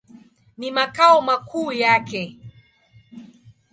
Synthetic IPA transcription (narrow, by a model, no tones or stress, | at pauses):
nimakaɔmakʰuːjakɛ